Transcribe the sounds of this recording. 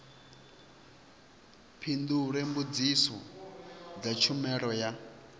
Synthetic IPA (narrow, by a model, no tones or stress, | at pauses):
pʰind̪uɾembud͡zisɔ | d͡zat͡ʃʰumɛɾɔja